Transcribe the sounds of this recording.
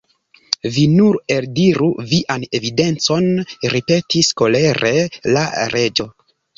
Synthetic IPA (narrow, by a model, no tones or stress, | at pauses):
vinuɾe̞ldiɾuviʔane̞vide̞nt͡so̞nɾipe̞tisko̞leɾʔe̞laɾe̞d͡ʒo̞